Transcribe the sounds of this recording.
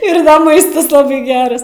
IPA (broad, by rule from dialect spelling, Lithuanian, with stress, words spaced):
ˈɪr ˈmɐɪstɐs ˈlˠɑːbɐɪ ˈɡʲæːrɐs